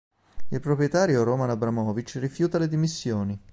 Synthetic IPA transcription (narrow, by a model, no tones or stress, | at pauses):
ilpɾopɾjet̪aːɾjoɾomanabɾamɔːvit͡ʃrifjuːt̪aled̪imisːjoːni